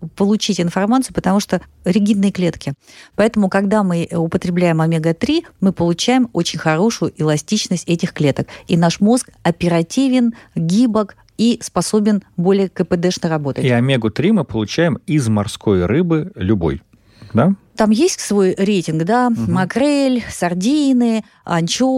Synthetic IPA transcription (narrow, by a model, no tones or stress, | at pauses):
pəlˠʊt͡ɕitʲɪnfɐrmat̪sɨjʊpət̪ɐmuʂt̪o | ɾʲɪɡʲid̪nɨjəklʲe̞t̪kʲɪpɐɛt̪əmʊkɐɡd̪amɨʊpət̪ɾʲɪblʲæjɪmɐmʲeɡət̪ɾʲimɨpəlˠʊt͡ɕæjɪmo̞t͡ɕɪnʲxɐɾo̞ʂʊjʊʔɪlˠɐsʲtʲit͡ɕnəsʲtʲɛtʲɪxklʲe̞t̪əkinaʂmo̞skɐpʲɪɾɐtʲivʲɪnɡʲibək | ispɐso̞bʲɪnbo̞lʲɪjəkəpɨd̪ɛʂnərɐbo̞t̪ətiɐmʲeɡʊt̪ɾʲimɨpəlˠʊt͡ɕæjɪmizmɐrskojrɨbɨlʲʊbo̞̰j | d̪a | t̪amjesʲtʲsvo̞jɾʲejtʲɪnɡd̪amɐkɾɛlʲsɐrdʲinɨ | ɐ̰nʲt͡ɕo